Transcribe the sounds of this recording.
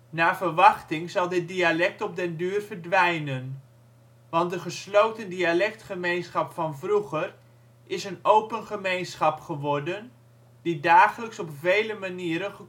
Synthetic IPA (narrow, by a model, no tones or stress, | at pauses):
naːvərʋɑχtɪŋzɑlˠdɪt̚dialɛk̚tɔb̚dɛndyːrv̥ərdʋɛjnən | ʋɑnt̚dəχəslowtəndialɛk̚tχəmejnsχɑpfɑnvruχər | ʔɪsənowpənχəmejnsχɑpχəʋɔrdən | d̥idaːχələksɔpvejləmaniːɾənχə